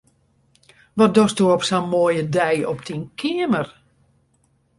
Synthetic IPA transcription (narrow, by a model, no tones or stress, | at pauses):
ʋɔt̚dɔstuɔpsanmoːjədɛjɔp̚tʰinkʰɪəmər